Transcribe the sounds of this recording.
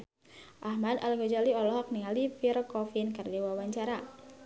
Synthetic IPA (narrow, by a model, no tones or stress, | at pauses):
ʔahmad̪alɡɔd͡ʒaliɔlɔɦak̚niŋalifirkɔfinkərdiwawaɲt͡ʃaɾa